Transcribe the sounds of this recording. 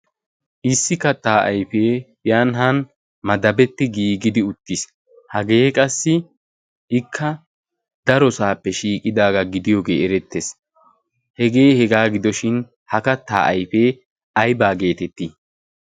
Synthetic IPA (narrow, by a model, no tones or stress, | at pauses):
ʔɪsːɪkɐt̪ːaːʔɐjfe̞ː | jaːnɦɐn | mɐd̪ɐbɛt̪ːɪɡiːɡɪd̪ɪʊt̪ːɪs | hɐɡe̞ːkʼɐsːɪ | ʔɪkʰːɐ | d̪ɐɾɔsaːpːɛʃiːkʼːɪd̪aːɡɐɡɪd̪ɪjɔɡe̞̰ːʔɛɾɛt̪ːes | hɛɡe̞ːhɛɡaːɡɪd̪ɔʃɪn | hɐkɐt̪ːa̰ːʔɐjfe̞ː | ɐjbaːɡe̞ːt̪ɛt̪ːi